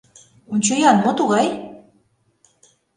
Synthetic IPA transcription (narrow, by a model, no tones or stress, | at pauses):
unʲt͡ɕɤjɑnmot̪uɣɑj